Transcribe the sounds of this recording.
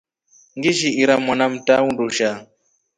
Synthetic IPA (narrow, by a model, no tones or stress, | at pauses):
ŋɡiʒiiɾamwanam̩taunduʃa